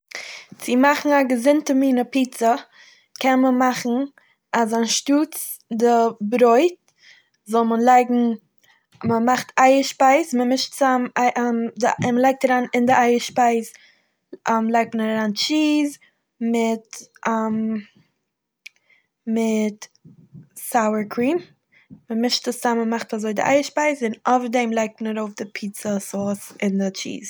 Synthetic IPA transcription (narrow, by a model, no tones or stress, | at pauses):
t͡sɪmaχn̩aɡəzɪntəmiːnəpiːt͡sə | kʰɛnməmaχn̩ | azanʃtuːt͡s | dɪbɾoɪt̚ | zɔlˠmənlˠaɪɡŋ̩ | məmaχtʰaɪəʃpaɪsməmɪʃtt͡samɪʔdɪməlˠaɪk̚taɾaːnɪndɪʔaɪəʃpaɪs | ʔamlˠaɪk̚tmənaɾɾaːnt͡ʃiːz | mɪtʔam | mɪt | saʊəɹkʰɾiːm | məmɪʃtəsaməmaχtazoɪdɪʔa̰ɪəʃpaɪsɪnɔfədɛɪmlˠaɪk̚tmənəɾoʊfdɪpʰiːt͡səsɔːsɪndɪt͡ʃḭːz